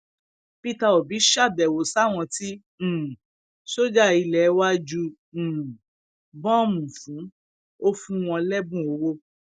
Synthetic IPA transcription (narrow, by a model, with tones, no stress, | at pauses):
pi˦ta˧o˨bi˨˦ʃa˦˨bɛ˨wo˨sa˦˨w̃ɔ̃˧tĩ˦˨ | ʃo˦d͡ʒa˦˨i˧lɛ˨˦wa˦d͡ʒũ˧˨ | bɔ̃˦˨mũ˨fũ˨˦ | o˦fũ˦w̃ɔ̃˧lɛ˦bũ˦o˧˦wo˦